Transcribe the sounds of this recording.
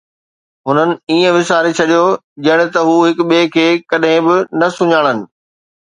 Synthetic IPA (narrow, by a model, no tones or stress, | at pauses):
ɦʊnənɪ̆iːə̃ʋɪsaːɾit͡ɕʰɐɗijo | d͡ʑɐɽ̃ɪ̆t̪ɐɦuːɦɪkɓeːkʰeːkɐɗɦɪ̃bɪnɐsʊɲaːɽ̃ənɪ̆